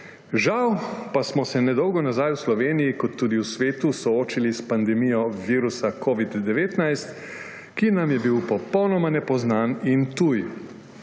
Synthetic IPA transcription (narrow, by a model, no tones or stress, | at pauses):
ʒawpasmɔsɛnɛd̪ɔwɡɔnazajwslɔʋeːnijikɔt̪ːuːd̪iwsʋeːt̪usɔoːt͡ʃilispand̪ɛmijɔʋiːɾusakʰoːʋid̪ːɛʋeːt̪najst̪ | kinamjɛbiwpɔpɔwnɔmanɛpɔznaːnint̪uj